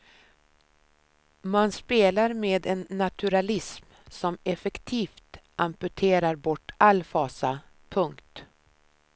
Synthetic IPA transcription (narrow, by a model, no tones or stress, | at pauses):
manspeːlaɾmeːd̪ɛnːat̪ʰʉɾalɪsm | sɔmɛfɛkt̪ʰiːft̪ʔampɵʈʰeːɾaɾbɔʈːalːfɑːsa | pʰɵŋkt̪